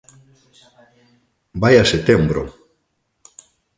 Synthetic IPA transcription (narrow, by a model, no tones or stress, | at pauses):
bajaset̪embɾo̰